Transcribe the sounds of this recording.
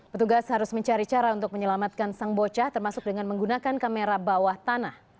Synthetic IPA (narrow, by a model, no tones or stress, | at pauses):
pət̪uɡashaɾʊsməɲt͡ʃaɾit͡ʃaɾaunt̪ʊk̚məɲəlamat̪̚kansaŋbot͡ʃaht̪ərmasʊk̚dəŋanməŋɡunakankameɾabawaht̪anah